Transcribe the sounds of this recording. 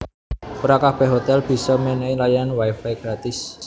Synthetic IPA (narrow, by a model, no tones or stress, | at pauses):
pəɾakahb̥ɛ̤ɦot̪ɛlb̥i̤sɔmeneilajanwajfajɡ̥ɾat̪ɪs